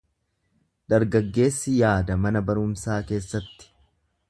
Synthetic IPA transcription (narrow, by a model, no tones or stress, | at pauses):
d̪ɐɾɡɐɡːe̞ːsːɪjaːd̪ɐmɐnɐbɐɾʊmsaːke̞ːsːɐt̪ːɪ̥